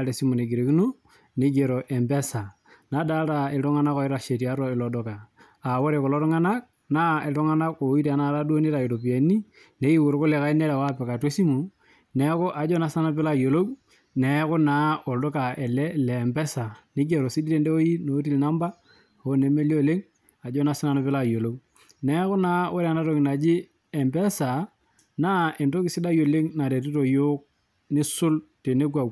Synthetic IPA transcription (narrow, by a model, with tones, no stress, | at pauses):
aɾe˨si˦mu˨ne˨ɡi˨ɾe˨ki˦no˦ | ni˦d͡ʒe˨ɾo˨ʔe˨mbe˦sa˨ | na˦da˦ɾa˨e˨tɔ˦ŋa˦na˦kɔ˨ɪ˦ɾa˨ʃe˨ti˨a˦ɾɔ˦ɪ˨lɔ˨dɔ˦kaː˨ | wo˦ɾe˨ko˨lo˦tɔ˦ŋa˦na˦k̚ | na˦e˨tɔ˦ŋa˦na˦ko˨˦i˦ta˨na˨˦ɾa˦du˦o˦ni˦ɾa˨i˨ɾo˨p̬i˨e˨˦ni˦ | ne˦i˦wu˨ɾko˦le˨ka˦i˦ne˦ɾa˨wa˦pɛ˨ka˨te˦si˦mu˨ | nɛ˦kʊ˦ʔa˨d͡ʒɔ˦na˨˦sa˦na˦p̬ɛ˦la˦jo˨lo˦k | nɛ˨˦kʊ˦na˨˦o˨ldo˦ka˨ɛ˨lɛ˦lɛ˨mbɛ˦sa˨nɪ˦ɡe˨ɾo˨si˦di˦te˦nde˦o˦ji˦no˨˦ti˦lna˦mba˦ | o˦ne˨˦me˦li˦o˦˨le˦ŋ | a˨d͡ʒɔ˦na˨sɪ˦na˦no˨pɪ˦la˦˨jo˨lo˦w | nɛ˨˦kʊ˦na˦o˦ɾa˨na˦to˨kɪ˨na˨d͡ʒi˦ | ɛ˨mbɛ˦sa˨ | na˦e˨nto˦kɪ˨sɪ˦da˦jo˨le˦ŋna˨ɾe˨t̬i˦to˨jʊ˦k̚ | nɪ˦sʊ˦lte˨ne˦ɡwa˨w